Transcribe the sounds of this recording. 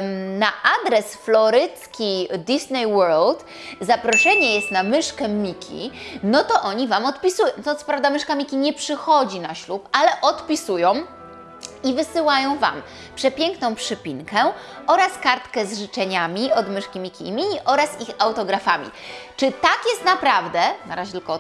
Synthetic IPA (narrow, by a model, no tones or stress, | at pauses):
naʔad̪ɾɛsflɔɾɘt̪skʲid̪ʲisnɛjwɛɾlt̪ | zapɾɔʂɛɲɛjɛst̪namɘʂkɛmʲikʲʰḭnɔt̪ɔʔɔɲivamɔt̪pʲisujɔ̃w̃t̪ɔt̪sɔ̥pɾavd̪amɘʂkamʲikʲiɲɛpʂɘxɔd͡ʑinaɕlupalɛʔɔt̪pʲisujɔ̃w̃ | ivɘsɘwajɔ̃w̃va̰m | pʂɛpʲjɛŋknɔ̃w̃pʂɘpʲiŋkɛʔɔɾaskaɾt̪kɛzʐɘt͡ʂɛɲamʲiɔd̪mɘʂkʲimʲikʲḭmʲiʔɔɾasixawt̪ɔɡɾafamʲḭt͡ʂɘt̪akʲjɛst̪napɾavd̪ɛnaɾaʑɛt̪ɘlkɔ